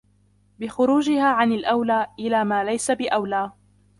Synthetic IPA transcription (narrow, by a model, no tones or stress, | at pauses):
bɪxʊɾuːd͡ʒɪhaːʕanalʔawlaːʔɪlaːmaːlajsabɪʔawlaː